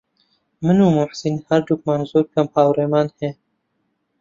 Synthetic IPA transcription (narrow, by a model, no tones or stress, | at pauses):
mɨnuːmʊħsinhɐɾd̪uk̚maːnzoːɾkɐmpaːwɾeːmaːnheː